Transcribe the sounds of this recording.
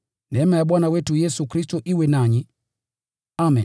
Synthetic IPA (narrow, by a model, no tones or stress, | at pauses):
nɛmajaɓwanawɛtujɛsukɾistɔʔiwɛnaɲi | amɛn